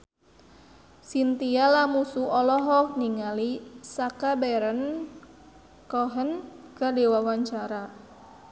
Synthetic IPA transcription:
sint̪ialamusuɔlɔɦɔk̚niŋalisakabɛɾən | kɔɦənkardewawaɲt͡ʃaɾa

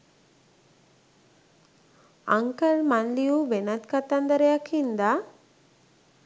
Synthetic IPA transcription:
a̰ŋkəlmanlijuʋenat̪kat̪and̪əɾejakʰind̪a

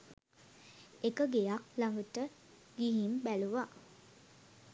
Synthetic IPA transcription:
ekəɡejaklaŋɡətə | ɡiɦimbæluʋa

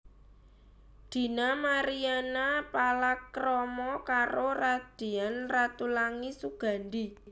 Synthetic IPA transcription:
d̪̥i̤namaɾianapalakɾɔmɔkaɾorad̪̥e̤anrat̪ulaŋisuɡ̥a̤nd̪i

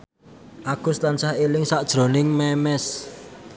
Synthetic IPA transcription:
ʔakṳst̪ant͡ʃahelɪŋsaʔd̥ʒ̥ɾo̤nɪŋmɛmɛs

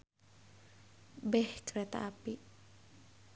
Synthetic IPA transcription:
bɛhkəɾɛt̪a̰ʔapi

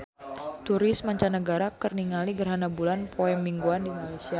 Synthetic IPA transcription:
t̪uɾɪsmaɲt͡ʃanəɡaɾakərniŋaliɡərɦanabulanpʰoɛmːiŋɡuandimalajsia

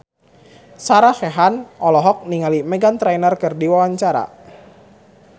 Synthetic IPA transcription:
saɾaxɛɦanɔlɔɦɔk̚niŋalimɛɡant̪ɾajnərkɨrdiwawaɲt͡ʃaɾa̰

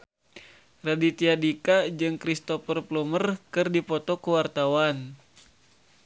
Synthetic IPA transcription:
radit̪iadikad͡ʒɨŋkɾist̪ɔfərplumərkɨrdipɔt̪ɔkəwart̪awan

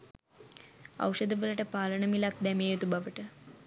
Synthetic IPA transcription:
ɐ̰wʂəd̪əʋələʈəpaːləɳəmilak̚d̪ɛmejot̪ubaʋəʈə

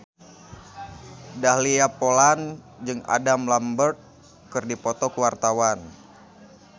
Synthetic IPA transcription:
dahliapolan | d͡ʒɨŋa̰damlambərt̪̚ | kɨrdipɔt̪ɔkəwart̪awan

